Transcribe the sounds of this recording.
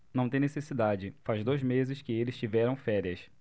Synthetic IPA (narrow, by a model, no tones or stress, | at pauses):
nɐ̃w̃t̪ẽnesesid̪ad͡ʒɪfazd̪ojzmezɪskɪelɪst͡ʃivɛɾɐ̃w̃fɛɾiɐs